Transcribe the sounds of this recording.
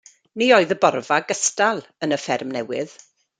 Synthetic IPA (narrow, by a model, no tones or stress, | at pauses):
nioɨðəbɔrvaɡəstalˠənəfɛrmnɛwɪð̥